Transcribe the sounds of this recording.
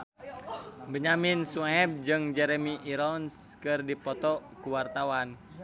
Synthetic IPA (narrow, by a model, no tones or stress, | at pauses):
bəɲaminsuɛb̚d͡ʒɨŋd͡ʒɛɾɛmiʔiɾɔnskɨrdipɔt̪ɔkuwart̪awan